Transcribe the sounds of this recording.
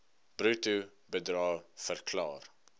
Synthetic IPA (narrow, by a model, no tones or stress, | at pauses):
b̥rutu | bədrɑːfərkʰlɑ̰ːr